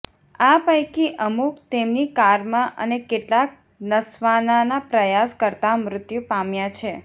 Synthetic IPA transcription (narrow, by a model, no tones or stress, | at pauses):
apəjkiʔəmukt̪emnikaɾmãʔə̰nekeʈlak̚ | nəsʋananapɾəjaskəɾt̪amɾʊt̪jupamjat͡ʃʰe